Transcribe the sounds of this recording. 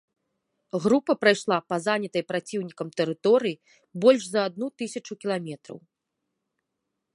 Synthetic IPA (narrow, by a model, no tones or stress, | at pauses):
ɣɾupɐpɾajʂlˠapɐzanʲɐt̪ɐjpɾat͡sʲiwnʲikɐmt̪ɛɾɨt̪ɔɾɨji | bɔlʲʂzɐad̪̚nut̪ɨsʲɐt͡ʂukʲilˠamʲɛt̪ɾɐ̰w